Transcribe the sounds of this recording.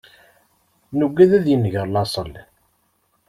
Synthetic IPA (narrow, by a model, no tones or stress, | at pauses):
nuɡʷːæðæðjənːʝəɾˤlɑsˤəl